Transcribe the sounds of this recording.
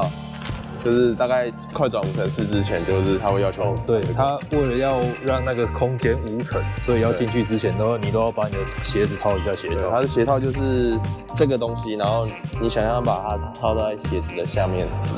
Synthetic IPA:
ɑ˨˩ | t͡ɕo˥˧ʊʂɻ̩˥˧t̪a˥˧ka˥˩ɪ | kʰwa˥˩ɪʈ͡ʂwɑ˨˩ŋʰ˨˩ə˧nʂɻ̩˥˧t͡sɻ̩˥t͡ɕʰjɛ˧˥nt͡ɕjo˥˧ʊʂɻ̩˥˩t̪ʰa˥we˥˧jɑ˥˧˩o˥˧˥t̪we˥˩ɪt̪ʰa˦we˥˩ɪlə˩jɑ˥˧ʊɻɑ˥˧ŋna˥˩ɡə˩kʰʊ˥ŋt̪ʰjɛ˥nu˧˥t͡sʰə˨˩˦swɔ˧˥i˨jɑ˥˧t͡ɕi˥˧ŋt͡ɕy˥˩t͡sɻ̩˥t͡ɕʰjɛ˧˥nt̪a˥˧˥o˥˩ni˨˩t̪o˥ʊjɑ˥˩ʊpa˧˥ni˨˩d̪ə˩ɕjɛ˧˥d͡zɹ̩˨˩t̪ʰɑ˥˩ʊpi˨˩t͡ɕjɑ˥˩ɕjɛ˧˥t̪ʰɑ˥˨t̪a˥d̪ə˨˩ɕjɛ˧˥t̪ʰɑ˥˧ʊt͡ɕjo˥˧ʊʂɻ̩˥˧ | ʈ͡ʂɤ˥˩ɡə˩t̪o˥ŋɕi˦na˧˥nxo˥˩ʊni˨˩ɕjɑ˨˩ŋjɑ˥˩ŋpa˨˩t̪ʰa˦t͡sʰɑ˥˧ʊt͡sa˥˩ɪɕjɛ˧˥d͡zɹ̩˨˩d̪ə˩ɕja˥˧mjɛ˥˨˩n

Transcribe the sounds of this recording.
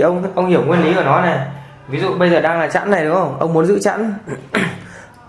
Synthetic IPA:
ʔə˧wŋ͡mʔə˧wŋ͡mhi˧˩əwŋwi˧ənli˨˦ʔəː˧˩nɔ˨˦nɛ˨˩ | vi˨˦zṵ˧˨ɓə˧jzəː˨˩ɗaː˧ŋlaː˨˩t͡ɕa̰ː˧˥nːa˨˩ɗɨ˨˦ŋhə˧˩wŋ͡mʔə˧wŋ͡mmu˨˦nzɨ̰˧˥t͡ɕa̰ː˧˥n

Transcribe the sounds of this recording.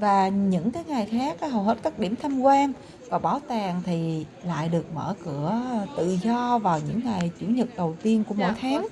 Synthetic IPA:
vaː˨˩ɲɨ̰˧˥ŋkaː˨˦jŋaː˨˩jxaː˦˥k̚ːhə˨˩whe˦˥t̚kaː˦˥k̚ɗi˧˩əmt̪ʰa˧mkwaː˧ŋ | vaː˨˩ɓaː˧˩˦wt̪aː˨˩ŋt̪ʰi˨˩ | la̰ː˧˨jɗɨ˨˩ək̚mə̰ː˧˩kɨ˧˩ət̪ɨ̰˧˨zɔ˧vaː˨˩wɲɨ̰˧˥ŋːa˨˩jt͡ɕwi˧˩əŋɲɨ˨˩t̚ɗə˨˩wt̪i˧ənku˧˩əmo̰˧˥jt̪ʰaː˨˦ŋ

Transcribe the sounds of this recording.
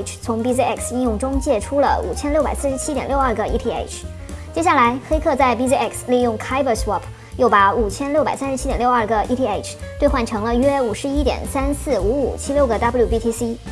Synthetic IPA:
ʈ͡ʂʰt͡sʰʊ˧˥ŋpi˥s̬i˥ɛ˥˩ksi˥˧njʊ˥˩ŋʈ͡ʂʊ˥ŋt͡ɕjɛ˥˩ʈ͡ʂʰu˥lə̰˨ṵ˨˩t͡ɕʰjɛ˥nljʊpa̰˨˩ɪsɹ̩˥˧ʂɻ̩˧˥t͡ɕʰi˥t̪jɛ˨˩nljo˥˧ɐ˞˥˧˩ɡə˩i˥t̪ʰi˥ḛ˥˩ɪʈ͡ʂʰ | t͡ɕjɛ˥ɕja˥˩la˧˥ɪxe˥ɪkʰɤ˥˧t͡sa˥˧˩ɪpi˥si˥ɛ˥˩ksli˥˧jʊ˥˩ŋkʰa˥ɪbə˥˧˩swɔ˥˩pʰ | jo˥˩ʊpa˧˥u˨˩t͡ɕʰjɛ˥nljo˥˩pa˨˩ɪsa˥nʂɻt͡ɕʰi˥jɛ˨˩nljɐ˞˥˧˩ɡə˩ḭ˥t̪ʰi˥e˥˩ɪʈ͡ʂʰt̪we˥˧xwa˥˩nʈ͡ʂʰɤ˧˥ŋlə˧ɥɛ˥u˨˩ʂɻ̩˧˥i˥t̪jɛ̰˨˩nsa˥nsɹ̩˥˩u˧˥ṵ˨˩t͡ɕʰi˥ljo˥˧ʊɡə˩t̪bju˥˩pi˥t̪ʰi˥si˥

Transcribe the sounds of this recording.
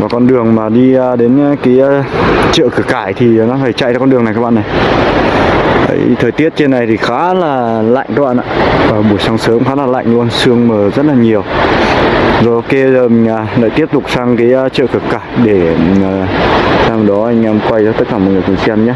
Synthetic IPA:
vaː˨˩kɔ˧nɗɨ˨˩əŋmaː˨˩ɗi˧ə˧ɗe˨˦n˧˦kaː˨˦jt͡ɕə̰ː˧˨kɨ˧˩kaː˧˩jt̪ʰi˨˩nɔ˨˦faː˧˩jt͡ɕa̰˧˨t͡ɕaː˧kɔ˧ɗɨ˨˩əŋa˨jkaː˦˥ɓ̰ːna˨˩j | ʔə̰˨˦jt̪ʰəː˨˩t̪i˦˥ət̚t͡ɕe˧na˨˩jt̪ʰi˨˩xaː˨˦laː˨˩la̰˧˨jŋʔkaː˦˥k̚ɓ̰a̰ː˧˨ʔaː˧˨vaː˨˩ɓu˧˩əsa˧ŋsəː˨˦mxaː˨˦laː˨˩la̰˧˨jŋ̟lu˧ənsɨ˧əŋməː˨˩zə˦˥t̚laː˨˩ɲi˨˩əw | zɔ˨˦ke˧əː˨˩˨ŋaː˨˩la̰ː˧˨jt̪i˦˥əp̚t̪ʊ˨˩k͡p̚saː˧ŋkaː˨˦jt͡ɕə̰ː˧˨kɨ˧˩əkaː˧˩jjɗe˧˩aː˨˩saː˧m˨˩ɗɔ˨˦ʔa˧jŋ̟ʔɛ˧mkwa˧jzaː˧t̪ə˦˥t̚kaː˧˩mɔ̰˨ŋəː˨˩t̪i˨˩t͡ɕi˧ɛ˧mɲaː˧˦

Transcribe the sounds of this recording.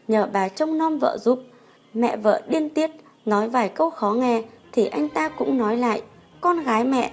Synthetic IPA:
ɲəː˧˩ɓaː˨˩t͡ɕɔ˧wŋ͡mnɔ˧mvə̰ː˧˨zu˨˦p̚ | mɛ̰˧˨və̰ː˧˨ɗi˧ənt̪i˦˥ət̚ | nɔ˨˦jvaː˨˩jkə˧wxɔ˨˦ŋɛ˨˩t̪ʰi˨˩ʔa˧jŋ̟t̪aː˧kʊ̰˧˥ŋ͡mnɔ˨˦jla̰ː˧˨j | kɔ˧nɣaː˨˦jmɛ̰˧˨ʔ

